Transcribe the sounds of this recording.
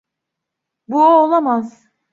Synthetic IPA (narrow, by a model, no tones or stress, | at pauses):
buoolˠamaz